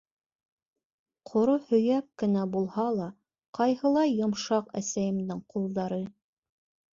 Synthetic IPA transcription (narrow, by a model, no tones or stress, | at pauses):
qʰŏɾohɵ̆jæp̚kɘ̆næbulˠhɑlˠɑ | qɑjɦɤ̆lˠɑjːŏmʃɑqæ̰sæjɘ̆md̪ɘŋqʰulˠd̪ɑɾɤ